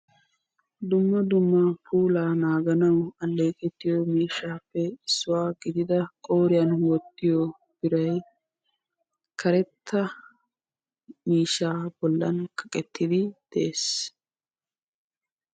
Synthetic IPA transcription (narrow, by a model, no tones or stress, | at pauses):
d̪ʊmːɐd̪ʊmːɐpʰuːlaːnaːɡɐnɐwɐlːe̞ːkʼɛt̪ːɪjomiːʃːaːpːɛɪsːʊwaːɡɪd̪ɪd̪ɐkʼoːɾɪjɐnwɔt̪ːɪjɔ | b̥ɪɾɐj | kʰɐɾɛt̪ʰːɐ | miːʃːaːbɔlːɐnkʰɐ̥kʼɛt̪ʰːɪd̪ɪd̪̥ɛeːs